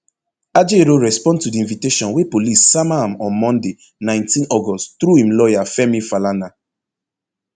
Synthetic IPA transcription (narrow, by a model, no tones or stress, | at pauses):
ad͡ʒeɾoɹɛspɔ̃ndtudiĩnviteʃɔ̃nwepolisːamaãmɔ̃nmɔ̃nde | nãɪ̃ntĩnɔɡɔsttɾuhĩmlɔjafɛmifalana